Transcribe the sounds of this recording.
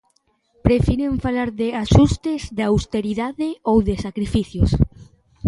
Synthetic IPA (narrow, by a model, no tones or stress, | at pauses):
pɾefiɾeɱfalaɾðeaʃust̪ezðawst̪eɾiðaðeowðesakɾifiθjos